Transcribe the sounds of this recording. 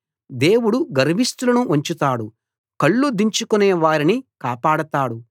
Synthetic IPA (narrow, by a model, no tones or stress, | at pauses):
d̪e̞ːwuɽuɡɐɾɐʋist̪ulɐnuʔɐɲt͡ʃut̪aːɽu | kɐɭːud̪iɲt͡ʃukuneːʋaːɾinikaːpaːɽɐt̪aːɽu